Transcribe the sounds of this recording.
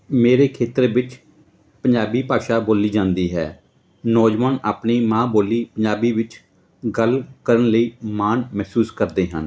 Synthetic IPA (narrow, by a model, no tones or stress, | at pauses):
meːɾeːkʰeːt̪ɾeːʋɪt͡ʃ | pəɲd͡ʒaːbiːpaːʃaːboːliːd͡ʒãːnd̪iːɦɛ̰ː | nɔːd͡ʒʋaːnaːpniːmãːboːliːpəɲd͡ʒaːbiːʋɪt͡ʃ | ɡəlkəɾənləiːmaːnmɛːsuːskəɾd̪eːɦən